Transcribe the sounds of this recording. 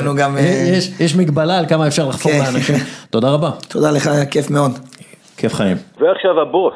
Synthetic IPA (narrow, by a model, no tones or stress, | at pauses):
nuɡamjeʃjeʃmiɡbalaːlkamaefʃaʁlaχfoleaːnaʃimt̪o̞daʁabat̪od̪aleχakefmeod̪ | kʰefχaimveaχʃavhabos